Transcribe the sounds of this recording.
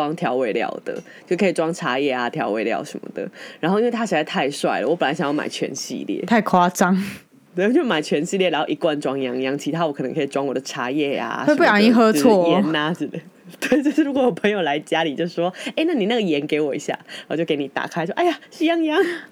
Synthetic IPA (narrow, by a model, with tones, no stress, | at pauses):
wɑ˥˦ŋt̪ʰjɑ˧˥ʊwe˧˥ɪljɑ̰˨˩ʊd̪̥ə̰˨t͡ɕjo˥˩kʰi˨˩ʈ͡ʂwɑ˥ŋʈ͡ʂʰa˧˥jɛ˥˩a˩t̪ʰjɑ˧˥ʊwe˧˥ɪljɑ̰˨˩ʊʂə̰˧˦nmə̰˧d̪ə̰˨˩ɻa˨˧nxo˥˩i˥nwe˥˩a˥ɕɻ̩˧˥a˥˧ɪt̪ʰa˥˧ɪʂwa˥˩ɪlə̰˨˩wɔ˧˥pə˨nla˧˥ɕŋjɑ˥˩ma̰˨˩ɪt͡ɕʰɥɛ̰˧˦nɕḭ˧ljɛ̰˥˩˨t̪ʰa˥˧ɪkʰwa˦t͡sɑ˥ŋ | t̪e˥˧˩t͡ɕo˥˩˥ma˨˩ɪt͡ɕʰɥɛ˧˥nɕi˥˧ljɻa˧˦nxo˥˩ʊi˧˦kwa˥˧nʈ͡ʂwɑ˥ŋjɑ˥ŋjɑ˥ŋt͡ɕʰi˧˥t̪ʰa˥wɔ˧˥kʰnə˧˦ŋkʰi˨˩ʈ͡ʂwɑ˥ŋwɔ˨˩d̪ə˦ʈ͡ʂʰa˧˥jɛ˥˩a̰˩wpu˥˩jɑ˨˧˩ŋi˥xɤ˥˦˧wɔ˥˩jɛ˧˥na˦ʈ͡ʂ̩˧˩d̪ | t̪we˥˩ɪt͡ɕo˥˧ʂ̩˥˩ɻu˧˥kwɔ˧˦jɔ˨˩pʰɤ˧˥ŋjo˨˩ʊla˧˦ɪt͡ɕja˦li˨˩t͡ɕjo˥˧ʊs̩˥˩ʂwɔ˦e˥˧ɪna˥˩ni˨˩na˥˩ɡə˩jɛ˧˦˥nke˧˥ɪwɔ˨˩ḭ˧˥ɕja̰˥˩˧t͡ɕjo˥˩ʊke˧˥ɪni˨˩t̪a̰˨˩kʰa˥ɪʂwʔa˥˩ɪa˨si˥˧jɑ˥ŋjɑ˥ŋ